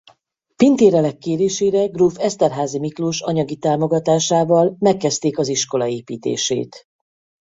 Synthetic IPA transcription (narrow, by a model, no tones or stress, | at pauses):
pint̪eːɾɛlɛkːeːɾeːʃeːɾɛɡruːfɛst̪ɛrɦaːzimikluʃɒɲɒɡit̪aːmo̞ɡɒt̪aːʃaːvɒlmɛkːɛst̪eːkɒziʃko̞lɒeːpiːt̪ḛːʃḛːt̪